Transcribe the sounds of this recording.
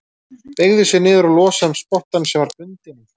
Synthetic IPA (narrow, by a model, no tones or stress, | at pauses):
peɣðʏsjɛnɪːðʏɾalɔːsamspɔht̪ansɛmvaɾp̪ʏnt̪ɪn